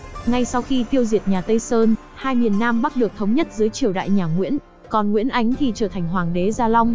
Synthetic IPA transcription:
ŋa˧jsa˧wxi˧t̪i˧əwzi˨˩ət̚ɲaː˨˩t̪ə˧jsəː˧n | haː˧jmi˨˩ənːaː˧mɓa˦˥t̚ɗɨ˨˩ək̚t̪ʰə˨˦wŋ͡mɲə˦˥t̚zɨː˨˦jt͡ɕi˨˩əwɗa̰ː˧˨jɲaː˨˩ŋwḭ˧˥ən | kɔ˨˩nŋwḭ˧˥ənʔa˨˦jŋ̟t̪ʰi˨˩t͡ɕəː˧˩t̪ʰa˨˩ŋ̟ɦwaː˨˩ŋɗe˨˦zaː˧la˧wŋ͡m

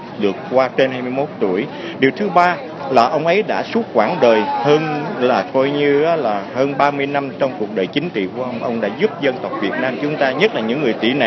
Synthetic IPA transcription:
ɗɨ˨˩əkkwaː˧t͡ɕe˧nhaː˧jmɨ˧jmo˦˥t̚t̪u˧˩əj | ɗi˨˩əwt̪ʰɨ˨˦ɓaː˧ | laː˨˩ʔə˧wŋ͡mʔə˨˦jɗa̰ː˧˥su˦˥t̚xwaː˧˩nɗəː˨˩jhəː˧nlaː˨˩kɔ˧jɲɨ˧ʔaː˨˦laː˨˩həː˧nɓaː˧mɨ˧əjna˧mt͡ɕɔ˧wŋ͡mku˨˩ək̚ɗəː˨˩jt͡ɕï˨˦ŋ̟t͡ɕḭ˧˨ku˧˩əʔə˧wŋ͡mʔə˧wŋ͡mɗa̰ː˧˥zu˦˥p̚zə˧nt̪ə˨˩wk͡p̚vi˨˩ət̚naː˧mt͡ɕʊ˨˦ŋ͡mt̪aː˧ɲə˦˥t̚laː˨˩ɲɨ̰˧˥ŋːɨ˨˩əjt̪ḭ˧˩na˨˩

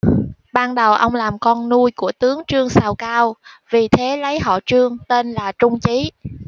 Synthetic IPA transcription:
ɓaː˧nɗə˨˩wʔə˧wŋ͡mlaː˨˩mkɔ˧nːu˧jku˧˩ət̪ɨ˨˦əŋt͡ɕɨ˧əŋsaː˧˩wkaː˧wvi˨˩t̪ʰe˨˦lə˨˦jɦɔ̰˧˨t͡ɕɨ˧əŋt̪e˧nlaː˨˩t͡ɕʊ˧ŋ͡mt͡ɕi˨˦

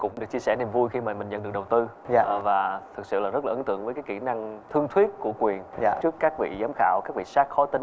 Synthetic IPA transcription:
kʊ̰˧˥ŋ͡mɗɨ˨˩ək̚t͡ɕi˧əsɛ˧˩ni˨˩mvu˧jxi˧maː˨˩mï˨˩ŋ̟ə̰˧˨nɗɨ˨˩ək̚ɗə˨˩wt̪ɨ˧˨ | vaː˨˩t̪ʰɨ˨˩k̚sɨ̰˧˨laː˨˩zə˦˥t̚laː˨ɨ˨˦nt̪ɨ̰˧˨əŋvə˨˦kaː˨˦ki˧˩na˧ŋt̪ʰɨ˧əŋt̪ʰwi˦˥ət̚ku˧˩əkwi˨˩əna˧˨t͡ɕɨ˦˥əkːaː˦˥k̚vḭ˧˨zaː˨˦mxaː˧˩wkaː˦˥k̚vḭ˧˨saː˦˥k̚xɔ˨˦t̪i˧˦

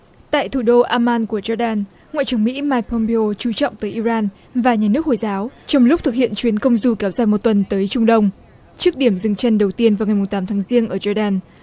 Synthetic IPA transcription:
t̪a̰ː˧˨jt̪ʰu˧˩ɗo˧ʔaː˧maː˧nku˧˩əzɔ˧ɗaː˧n | ŋa̰˧˨t͡ɕɨ˨˩əŋmḭ˧˥maː˧jk̚pʰːɔ˧mpe˧o˧t͡ɕu˨˦t͡ɕɔ̰˧˨wŋ͡mt̪əː˨˦jʔi˧zaː˧n | vaː˨˩ɲaː˨˩nɨ˦˥ək̚ho˨˩jzaː˨˦wt͡ɕɔ˧wŋ͡mlʊ˦˥k͡p̚t̪ɨ˨˩k̚hḭ˧˨ənt͡ɕwi˨˦ənkə˧wŋ͡mzu˧kɛ˨˦wzaː˧˩jmo˨˩t̚t̪wə˨˩nt̪əː˨˦jt͡ɕʊ˧ŋ͡mɗə˧wŋ͡m | t͡ɕɨ˦˥ək̚ɗi˧˩əmzɨ˨˩ŋt͡ɕə˧nɗə˨˩wt̪i˧ənva˨˩wŋa˨˩jmʊ˨˩ŋ͡mt̪aː˨˦mt̪ʰaː˨˦ŋzi˧əŋnʔəː˧˩zɔ˧ɗaː˧n

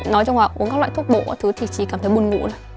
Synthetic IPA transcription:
nɔ˨˦jt͡ɕɔ˧ŋ͡mhwaː˨˩ʔu˨˦əŋka˦˥k̚la̰˧˨t̪ʰu˦˥ət̚ɓo̰˧˨ʔa̰ː˨˦t̪ʰɨ˨˦t̪ʰi˨˩t͡ɕḭ˧˩kaː˧˩t̪ʰə˨˦jɓu˧ənŋṵ˧˨nə˨˦

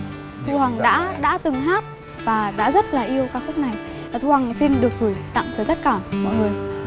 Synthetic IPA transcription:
t̪ʰṵ˧˨hwa˨˩ŋɗa̰ː˧˥ɗa̰ː˧˥t̪ɨ˨˩ŋhaː˦˥t̚ | vaː˨˩ɗa̰ː˧˥zə˦˥t̚laː˨˩ʔi˧əwkaː˦˥kxʊ˦˥k͡p̚na˨˩j | a˨˩t̪u˧ha˨˩ŋsi˧nɗɨ˨˩ək̚vɨ˨˧˩jt̪a̰˧˨ŋt̪ʰəː˨˩zə˦˥t̚kaː˧˩mmɔ̰˧˨həː˧˩j

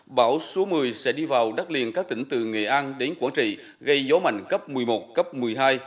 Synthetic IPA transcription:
ɓaː˧˩wsu˨˦mɨ˨˩əjsɛ̰˧˥ɗi˧vaː˨˩wɗa˦˥k̚lḭ˧˨ənkaː˦˥k̚t̪ï˧˩ŋ̟t̪ɨ̰˧˨ŋḛ˧˨ʔaː˧nɗe˨˦nkwaː˧˩nt͡ɕḭ˧˨ | ɣə˧jzɔ˨˦ma̰˧˨jŋ̟kə˦˥p̚mɨ˨˩əjmo˨˩t̚kə˦˥p̚mɨ˨˩əjɦaː˧j

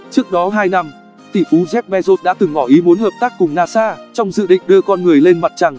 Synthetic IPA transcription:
t͡ɕɨ˦˥ək̚ɗɔ˨˦ɦaː˧jna˧m | t̪ḭ˧˨˩fu˨˦zɛ˦˥p̚ɓɛ˧zo˦˥t̚ɗa̰ː˧˥t̪ɨ˨˩ŋmɔ˧˩ʔi˨˦mo˨˦nhəː˨˩p̚t̪aː˦˥k̚ːʊ˨˩ŋ͡mnaː˧saː˧t͡ɕɔ˧wŋ͡mzɨ̰˧˨ɗḭ̈˧˨ŋ̟ɗɨ˧əkɔ˧nŋɨ˨˩əjle˧nma˨˩t̚t͡ɕa˨˩ŋ

